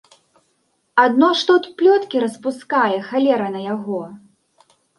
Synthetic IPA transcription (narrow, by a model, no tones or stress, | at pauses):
ad̪nɔʂt̪ɔt̪plʲɔt̪kʲiɾɐspuskajɛxalʲɛɾɐnɐjaɣɔ